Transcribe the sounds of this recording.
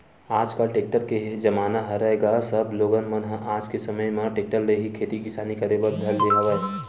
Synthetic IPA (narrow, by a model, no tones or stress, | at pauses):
aːd͡ʒkəlʈeːk̚ʈəɾked͡ʒɐmaːnaɦɐɾəeɡasəbloːɡənmənɦəʔaːd͡ʒkesɐməjmẽʈeːk̚ʈəlːeɦikʰeːt̪ikɪsaːnikəɾebəɾd̪ʱɐlbeɦaʋə